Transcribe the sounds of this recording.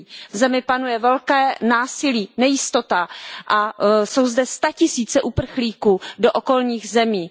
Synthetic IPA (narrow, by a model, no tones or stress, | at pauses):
vzɛmɪpanujɛvɛlkɛːnaːsɪliːnɛjɪst̪o̞t̪aʔaso̞wzdɛst̪acɪsiːt͡sɛʔupr̩xliːkuːdoʔoko̞lɲiːɣzɛmiː